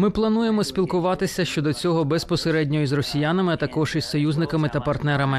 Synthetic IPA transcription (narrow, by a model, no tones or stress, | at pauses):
mɪplˠɐnuje̞mɔsʲpʲilˠkʊʋɑt̪ɪsʲɐʃt͡ʃɔd̪ɔt͡sʲɔɦɔbɛspɔseɾɛdʲnʲɔjizrɔsʲijanɐmɪɐt̪ɐkɔʒisɔjuzʲnɪkɐmɪt̪ɐpɐrt̪nɛɾɐmɪ